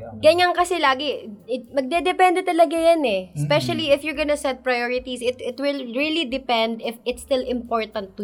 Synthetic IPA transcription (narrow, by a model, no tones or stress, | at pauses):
ɡɐɲaŋkɐsɛlaːɡɪɪmɐɡ̚d̪ɛd̪ɛpɛnd̪ɛt̪ɐlɐɡajɐnɛspɛʃɐliɪfjɔɹɡɐnɐsɛd̪̚pɹɐjɔɹɪt̪isɪt̪ɪt̪wɪlɹilid̪ɪpɛ̃nd̪ɪfɪt̪st̪ɪlɪ̃mpoɹt̪ɐ̃nt̪ːʊ